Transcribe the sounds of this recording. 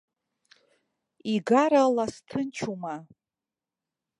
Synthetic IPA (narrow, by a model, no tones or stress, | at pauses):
iɡaɾalastʰɨnt͡ʃʰuma